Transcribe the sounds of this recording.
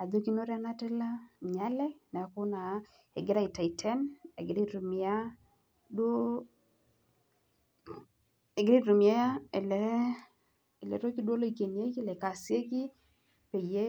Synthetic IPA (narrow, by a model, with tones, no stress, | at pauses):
a˨d̪o˦ki˦no˦ɾa˦na˦tɛ˦la˦ɲa˦lɛ˦na˨kʊ˦na˨˦ | ɛ̰˨ɡɪ˦ɾa˦ɪ˨ta˨ɪ˨tʰɛ˦ne˨ɡɪ˨ɾi˦ɾu˨mɪ˨a˦ | do˦ | e˨ɡɪ˦ɾi˦tɾu˨mɪ˨a˦ja˦e˨lɛ˨˦ | e˨lɛ̰˨ɾo˦ki˦dwo˦lo˦i˨ke˨nje˦ki˦lɛ˨ka˨sje˦ɡi˦ | pe˨je˦